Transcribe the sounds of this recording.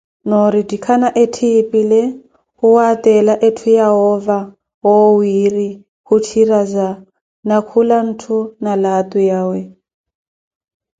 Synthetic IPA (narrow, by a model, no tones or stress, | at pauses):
noɾidikʰanaʔetʰipʼile | huwat̪ʼɛlaʔetʰujaɦɔva | wɔwiri | hutʰiraza | nakʰulan̩tʰunalat̪ʼujaːwɛ